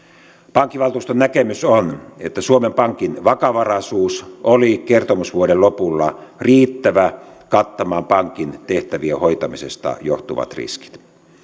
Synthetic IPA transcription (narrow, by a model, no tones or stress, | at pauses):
pɑŋkːiʋɑlt̪uːst̪onækemysonet̪ːæsuomempɑŋkinʋɑkɑʋɑrɑsuːsolikert̪omusʋuodellopulːɑriːt̪ːæʋækɑt̪ːɑmɑːmpɑŋkint̪eht̪æʋiehoit̪ɑmisest̪ɑ̰jo̰ht̪uʋɑ̰t̪rḭski̥t̪